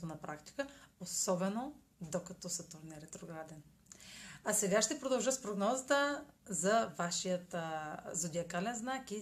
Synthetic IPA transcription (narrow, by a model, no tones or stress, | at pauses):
t̪onɐpɾakt̪i̥kəosɔbɛno | d̪okɐt̪ɔsɐt̪oɾnɛɾɛt̪ɾoɡɾad̪ɛn | asɛɡaʃt̪ɛpɾod̪ɐlˠʒɤt̪spɾoɡnɔzət̪əzɐvaʃijət̪zod̪iɐkalɛnznaki